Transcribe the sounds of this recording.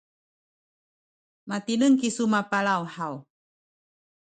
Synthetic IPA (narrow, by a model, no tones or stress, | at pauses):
mat̪inəŋkisumapalawhaw